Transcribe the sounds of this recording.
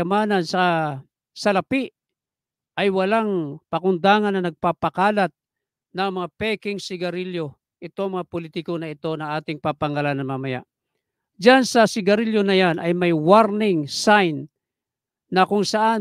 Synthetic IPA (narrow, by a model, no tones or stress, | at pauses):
ɐmaːnɐnsɐ | sɐlɐpiʔ | ʔɐjwɐlaŋpɐkʊnd̪aːŋɐnːɐnɐɡ̚papɐkaːlat̪̚ | nɐŋmɐŋapɛkɪŋsɪɡɐɾiljo | ʔɪt̪oŋmɐŋapolit̪ɪkonɐɪt̪o̞nɐŋʔaːt̪ɪŋpapɐŋalanɐŋmamɐja̰ʔ | d͡ʒansɐsɪɡɐɾiljonɐjanɐjmɐjwaɾnɪŋsajnː | ɐkʊŋsɐʔa